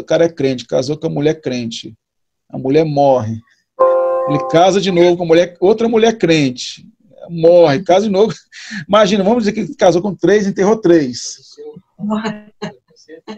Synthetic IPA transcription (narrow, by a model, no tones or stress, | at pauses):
ʊkaɾɐɛkɾẽt͡ʃɪ̥ka̰zokõɐmuʎɛɾkɾẽt͡ʃɪ | ɐ̰muʎɛɾmɔɦɪ | elɪkazɐd͡ʒɪnovʊkõɐmulʎɛɾowt̪ɾɐmuʎɛɾkɾẽt͡ʃɪ̥ | ɛlmɔhɪkazɐd͡ʒinovʊimaʒĩnɐvɐ̃mʊzd͡ʒɪzeɾkelɪkazowkõt̪ɾejzẽt̪eɦot̪ɾejs